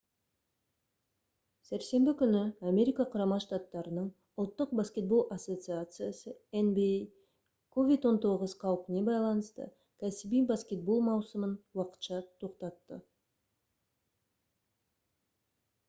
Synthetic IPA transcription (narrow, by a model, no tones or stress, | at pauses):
sæɾse̞mbɪkʲʰʏnɪamʲe̞ɾijkɑqʰʊɾɑmɑʃt̪at̪ːɑɾənəɴ | ʊlˠt̪ːəq̚baskʲe̞t̪̚bo̞lˠʔaso̞t̪sɨat̪sɨjasəenbij | kʰo̞vʲijt̪wo̞nt̪ʰo̞ʁəzqʰɑwəpne̞bɑjlˠɑnəst̪ə̰ | kʲʰæsɪbijbaskʲe̞t̪̚bo̞lˠmɑwsəmənwɑqə̥t̪ʃɑt̪ʰo̞qt̪ɑt̪ːə